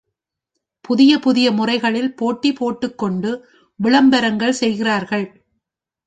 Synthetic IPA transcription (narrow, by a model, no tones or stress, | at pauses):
pʊðɪjɐpʊðɪjɐmʊrɐɪɣɐɭɪlpoːʈːipoːʈːɯkːɔɳɖɯ | ʋɪɭɐmbɐɾɐŋɡɐɭsɛjɣɪraːɾɣɐɭ